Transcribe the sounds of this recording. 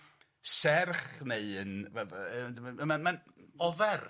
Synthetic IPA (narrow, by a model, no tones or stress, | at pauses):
sɛrχneɨənvɛvdməmanman | ɔvɛr